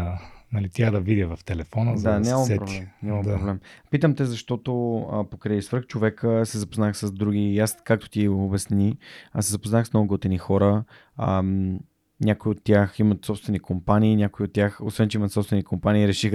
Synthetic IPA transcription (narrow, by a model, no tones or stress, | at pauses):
nɐlit̪iad̪ɐvid̪ʲəvɐft̪ɛlɛfɔnəzd̪anʲaməsɛpɾoblɛmnʲaməmd̪apoblɛmpit̪əmt̪ɛzɐʃt̪ɔt̪oəpokɾɛisv̥ɾ̩xt͡ʃovɛkəsɛzɐpoznaxsəzd̪ɾuɡiːaskak̚t̪o̥t̪iobɛsniəsɛzɐpoznaxsmnoɡoɡot̪ɛnixɔɾə | ə | nʲakoiot̪ːjaximət̪sɔpst̪vɛnikompaniːnʲakoiot̪ːʲjaxo̰svɛnt͡ʃɛimət̪sɔpst̪vɛnikompaniːɾɛʃix